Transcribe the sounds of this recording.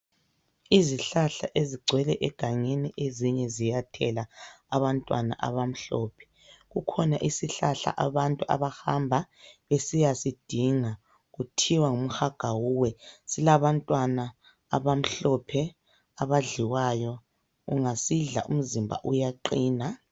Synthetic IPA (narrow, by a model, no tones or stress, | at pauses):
iziɬaɬaʔeziɡ͡ǀʱwɛlɛʔɛɡ̥ʱaɲeniʔeziɲɛzijatʰɛlaːβantʼwana̰ʔa̰βam̩ɬɔːpʰɛ̥ | ɣukʰɔnaʔisiɬaɬa̰ʔaβantʼuʔa̰βahambʱaesijasid̥ʱiŋa | ɣutʰiwaŋum̩xaɡ̥ʱawuwɛsilaβantʼwanaː | βam̩ɬɔpʰɛ | aβaɮiwajɔ | uŋasiɮa̰ʔṵm̩zimbʱa̰ʔujaǃiːna